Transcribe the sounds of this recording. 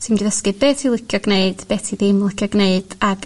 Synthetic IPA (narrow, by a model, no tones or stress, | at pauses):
tʰimdiðəskɨbeːtʰilˠɪkʰjɔɡneɨd̥b̥eːtʰiðɪmlˠɪkʰjɔɡneɨd̥aɡ̥